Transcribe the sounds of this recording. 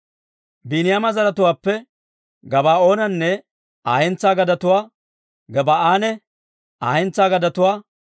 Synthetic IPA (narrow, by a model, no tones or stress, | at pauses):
biːnɪjamɐzɐɾɐt̪ʊwaːpːɛ | ɡɐbaːo̞ːnɐnːɛ | aːjɛnt͡sːaːɡɐd̪ɐt̪ʊwaː | ɡɐbaːaːnɛ | aːhɛnt͡saːɡɐd̪ɐt̪ʊwaː